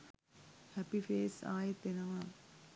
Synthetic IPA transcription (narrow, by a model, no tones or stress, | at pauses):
hæpifeːsa̰ːjet̪enəʋa